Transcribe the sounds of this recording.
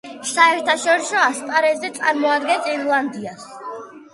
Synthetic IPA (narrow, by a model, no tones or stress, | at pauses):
saɛɾt̪ʰaʃɔɾisɔaspʼaɾɛzɛt̪sʼaɾmɔad̪ɡɛnsiɾlˠand̪ias